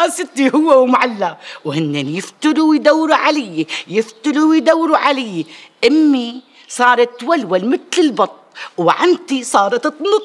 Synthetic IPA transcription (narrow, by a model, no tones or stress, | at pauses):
asɪt̪ːihʊwːawmaʕalːawhɪnːɪnjɪft̪ʊluwid̪awːɾuʕalɪjːijɪft̪ɪluwid̪awːɾuʕalɪjːiʔɪmːi | sˤɑːɾˤɑt̪ːwalwalmɪt̪lɪlbɑt̪ˤːwʕant̪isˤɑːɾˤɑt̪ɨt̪ˤnʊt̪ˤ